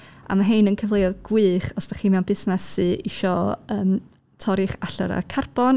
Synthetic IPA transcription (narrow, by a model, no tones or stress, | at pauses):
a̰maɦenənkʰəvlˠejɔðɡ̥wɨːχɔsd̥aχiːmɛwnbɪsnɛsɨʔiʃɔəːm | tʰɔɾɪχaɬɔ̰ɾa̰kʰarb̥ɔn